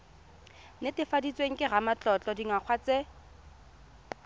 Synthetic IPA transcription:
netɪfadit͡sʼweŋ̩kʼɪɣamat͡ɬʼɔt͡ɬʼɔdiŋak͡xʰwat͡se

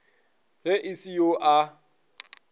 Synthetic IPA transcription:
ɦeʔisijoʔa

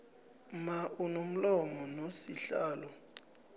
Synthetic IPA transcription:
maʔunom̩lɔmɔnosiɬaːlɔ

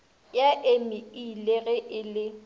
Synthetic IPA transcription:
jaʔemɪileɣɛʔɪlɪ

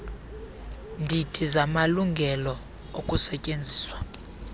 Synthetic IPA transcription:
ndʱitʰizamaluŋɡʱɛlɔ | okʼusɛcʼend͡zʱiːswḁ

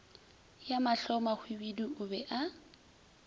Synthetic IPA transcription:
jamaɬɔmak͡xʰwibiduʔʊbɛʔa

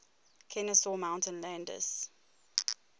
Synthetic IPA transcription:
kʰɛnəsɔmãʊ̃ntə̃nlɛ̃ndə̰s

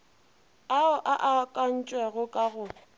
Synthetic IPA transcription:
aʊʔaʔakʼan̩t͡ʃʼwɛɣʊkʼaɣʊ

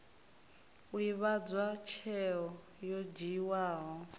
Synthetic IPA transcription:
uiβad͡zwat͡ʃʰɛɔ | jɔd͡ʒiwaːɦɔ

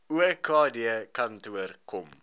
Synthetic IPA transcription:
uəkɑːdiəkɐntuərkɔm

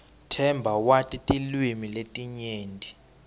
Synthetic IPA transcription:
tʰɛmbʱawatʼitʼilwimiletʼiɲeːndʱi

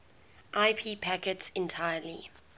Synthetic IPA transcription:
ʔaɪpʰiːpʰækətsɛ̃ntʰaɪəlḭ

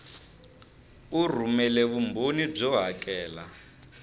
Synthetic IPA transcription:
ur̤umɛlɛβumbonib͡ʐɔɦakʼɛːla

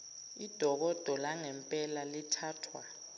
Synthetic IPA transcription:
id̥ʱɔk̬ɔd̥ʱɔlaŋɛmpʼɛlalitʰaːtʰwa

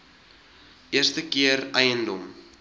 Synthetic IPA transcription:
ʔiərstəkiərɛjəndɔm

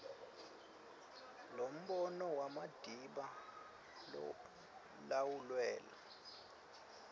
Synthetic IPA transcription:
lom̩ɓɔnɔwamad̥ʱiɓa | lawulwɛːla

